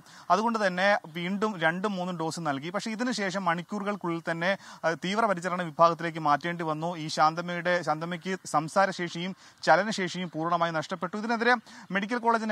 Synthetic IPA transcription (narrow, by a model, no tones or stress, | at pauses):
ɐðuɣo̞ɳɖɨt̪ɐnːe̞ʋiːɳɖumɾe̞ɳɖumːuːnːumɖo̞ːsɨnɐlk̬ipɐkʂe̞iðinɨɕe̞ːʂɐmːɐɳikʲːuːrɣɐɭkuɭːilt̪ɐnːe̞t̪iːʋrɐpɐɾit͡ɕːɐrɐɳɨʋibʱaːɣɐt̪ːile̞ːk̬ːɨmaːtːeːɳɖɨʋɐnːuiːɕaːnd̪ɐmɐjuɽe̞ɕaːnd̪ɐmɐk̬ʲːɨsɐmsaːɾɐɕe̞ːʂɐjum | t͡ɕɐlɐnɐɕe̞ːʂɐjumpuːrɳɐmaːjinɐʂʈɐpːe̞ʈːuiðineðiɾeme̞ɽikʲːɐlko̞ːɭeːd͡ʑin